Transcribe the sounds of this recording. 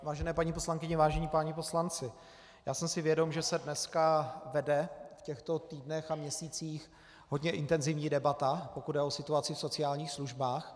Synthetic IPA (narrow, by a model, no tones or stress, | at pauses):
vaːʒɛnɛːpaɲiposlaŋkɪɲɛvaːʒɛɲiːpaɲɪpo̞slant͡sɪ | jaːsɛmsɪvjɛdomʒɛsɛdnɛskavɛdɛfcɛxt̪o̞t̪iːdnɛxamɲɛsiːt͡siːx | ɦo̞dɲɛʔɪnt̪ɛnzɪvɲiːdɛbat̪apokud̚ɛosɪt̪uat͡sɪfso̞t͡sɪaːlɲiːxsluʒbaːx